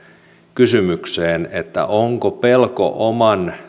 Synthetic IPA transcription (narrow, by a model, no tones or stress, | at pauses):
kysymykseːnet̪ːæ̰ʔoŋkopelko̰ʔomɑn